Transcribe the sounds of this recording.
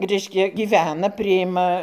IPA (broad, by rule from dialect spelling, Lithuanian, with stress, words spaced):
ˈrʲɛɪʃʲkʲɛ ɡʲiːˈʋʲæːnɐ pʲrʲɪˈjɪmɐ